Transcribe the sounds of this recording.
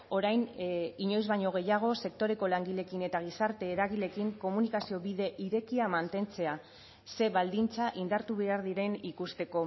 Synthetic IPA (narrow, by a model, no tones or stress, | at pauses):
o̞ɾajniɲo̞jzβajɲo̞ɣ̞e̞jaɣ̞o̞se̞kt̪o̞ɾe̞ko̞laŋɡiʎe̞kine̞t̪aɣ̞isaɾt̪e̞ːɾaɣ̞ile̞kiŋko̞munikasio̞βiðe̞ʔiɾe̞kiamant̪e̞nt͡se̞a | se̞βald̪int͡saʔind̪aɾt̪uβeaɾðiɾe̞nikust̪e̞ko̞